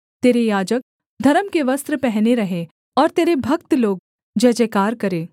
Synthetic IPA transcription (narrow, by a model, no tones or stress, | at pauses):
t̪eːɾejaːd͡ʒək̚ | d̪ʱɐɾəmkeʋɐst̪ɾəpɛɦneɾɐɦe | ɔːɾt̪eːɾebʱɐkt̪loːɡ̚ | d͡ʒɐːd͡ʒekaːɾkɐɾeː